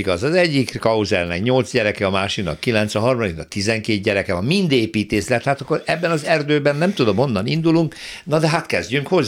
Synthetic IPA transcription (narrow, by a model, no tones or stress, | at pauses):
iɡɒzɒzɛɟːikkɒuzɛlnɛkɲo̞lt̪zɟɛɾɛkɛɒmaːʃiknɒ̰kːilɛnt̪sʋɛɦɒrmɒd̪iknɒkt̪izɛŋkeːt̪̚ɟɛɾɛkɛɒmmind̪eːpiːt̪eːslɛt̪haːt̪ɒkːoɾɛbːɛnɒzɛrd̪øːbɛnːɛmt̪ud̪o̞mo̞nːɒnind̪uluŋknɒd̪ɛɦat̪kɛzɟyŋkho̞z